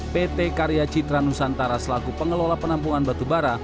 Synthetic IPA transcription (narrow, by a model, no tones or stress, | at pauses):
pet̪ekaɾiat͡ʃit̪ɾanusant̪aɾasəlaɡupəŋəlolapənampuŋanbat̪ubaɾa